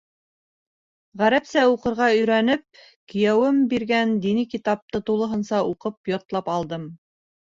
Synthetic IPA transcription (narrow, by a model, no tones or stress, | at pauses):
ʁæɾæpsæuqɤ̆ɾʁɑɵ̆jɾænɘp̚ | kɵ̆jæwɘmbiɾɡænd̪inɘkit̪ɑp̚t̪ɤt̪ulˠɤ̆ɦɤ̆nsɑuqɤpjoɾt̪lˠɑpɑlˠd̪ɤm